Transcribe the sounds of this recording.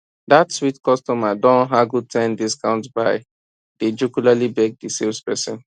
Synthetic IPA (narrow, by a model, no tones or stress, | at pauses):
datswitkɔstɔmadɔ̃nɦaɡutʰɛ̃ndiskãʊ̃ntbaɪ | d̥ed͡ʒukulalibɛɡ̚disilspɛsɛ̃n